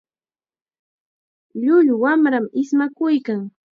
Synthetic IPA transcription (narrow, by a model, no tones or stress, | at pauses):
ʎʊʎwamɾamɪsmakʊjkaŋ